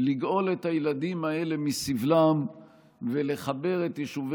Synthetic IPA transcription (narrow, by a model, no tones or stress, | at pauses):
liɡʔo̞let̪hajeladimae̞le̞misivlam | ve̞le̞χabe̞ʁetjeʃuv